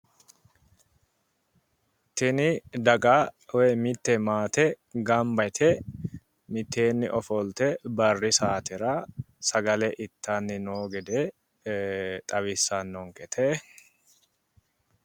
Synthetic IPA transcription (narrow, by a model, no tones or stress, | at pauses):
t̪ɪnɪd̪ɐɡaːwɛmɪt̪ːɛmaːt̪ɛ | ɡɐmbɐt̪ʰɛ | mɪt̪ːe̞ːnːɪ̰ʔɔfɔlt̪ɛbɐrːɪsaːt̪ɪɾa | sɐɡɐlɛʔɪt̪ʰːaːnːɪnoːɡɛd̪eː | t̪ʼɐβɪsːanːɔŋkɛt̪ʰɛː